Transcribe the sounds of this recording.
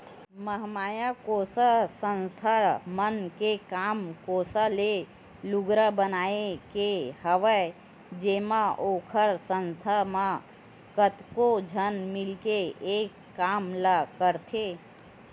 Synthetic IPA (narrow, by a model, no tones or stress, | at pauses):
məɦmaːjakoːsəsə̃nst̪ʰəɾmənkekaːmkoːsəle | lʊɡɾəbənaːekehəʋə | d͡ʒeːmaʔoːkʰəɾsə̃nst̪ʰəmã | kət̪kod͡ʒʱənmɪlkeeːkːaːmlakəɾt̪ʰe